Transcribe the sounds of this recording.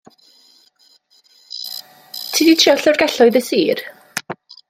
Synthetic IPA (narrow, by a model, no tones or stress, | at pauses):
tʰiːditʰriɔɬɔrɡɛɬɔɨðəsiːr